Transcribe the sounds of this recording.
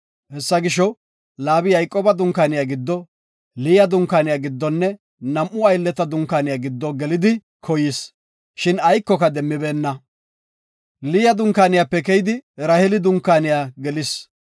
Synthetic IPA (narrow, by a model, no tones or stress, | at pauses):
hɛsːɐɡɪʃɔ | laːbɪjɐjkʼoːbɐd̪ʊŋkaːnɪjaːɡɪd̪ːɔ | lɪːjɐd̪ʊŋkaːnɪjaːɡɪd̪ːɔnːɛ | nɐmʔʊɐjlːɛt̪ɐd̪ʊŋkaːnɪjaːɡɪd̪ːɔɡɛlɪd̪ɪ | kʰɔjɪs | ʃɪnɐjkːɔkɐd̪ɛmːɪbe̞ːnːɐ | liːjɐd̪ʊŋkaːnɪjaːpːɛk̬ɛjd̪ɪɾɐhɛlɪd̪ʊŋkːaːnɪjaːɡɛlɪs